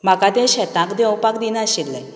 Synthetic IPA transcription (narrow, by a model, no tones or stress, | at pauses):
m̤akat̪ẽɕɛt̪ãkd̪ɛwpakd̪inaəɕilːə